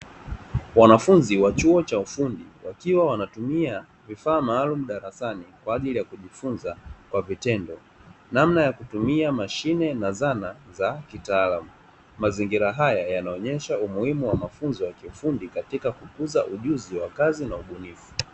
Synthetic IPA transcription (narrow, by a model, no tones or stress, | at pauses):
wanafunziwat͡ʃuɔt͡ʃaufundiwakiwawanatumia | vifaːmaːlum̩ɗaɾasanikwaːʄilijakuʄifunzakwavitɛndɔ | namnajakutumiamaʃinɛnazanazakitaːlamu | maziŋɡiɾaɦajajanaɔɲɛʃaumuhimuwamafunzɔwakiufundikatikakukuzaʔuʄuziwakazinauɓunifu̥